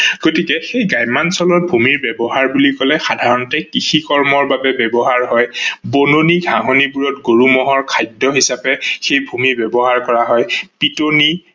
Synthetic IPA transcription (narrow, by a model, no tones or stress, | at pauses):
ɡ̥otikɛxejɡajmansɔlɔt̚bʱumiɹbɛbɔɦaɹbulikɔlɛxadʱaɹɔntɛkixikɔɹmɔɹbabɛbɛbɔɦaɹɦɔjbononiɡʱaɦonibuɹɔtɡoɹumɔɦɔɹkʰajdɔɦisapɛxejbʱumiɹbɛbɔɦaɹkɔɹaɦɔjpitoni